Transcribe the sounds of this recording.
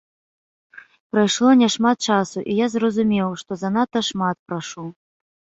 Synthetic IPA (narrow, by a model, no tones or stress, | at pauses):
pɾajʂlˠɔnʲɛʂmat̪̚t͡ʂasuʔijazrɐzumʲɛwʂt̪ɔzɐnat̪ɐʂmat̪̚pɾaʂu